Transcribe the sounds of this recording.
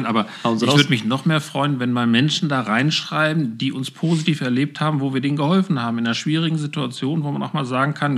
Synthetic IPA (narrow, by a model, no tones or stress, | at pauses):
nʔa̰ːbɐ | vvʏdəmɪçnɔχmeːɐfʁ̥ɔʏənvɛnmaːlmɛnʃn̩daːʁaɪnʃʁ̥aɪbm̩diːʔʊnspʰoːzitiːfɛɐleːp̚thaːbm̩voːviːɐdeːnɡəhɔlfn̩haːbm̩ɪnaːnɐʃv̥iːʁ̞ɪɡŋ̩zituat͡sjoːnvoːmanʔaʊxmaːlzaːɡŋ̩kʰan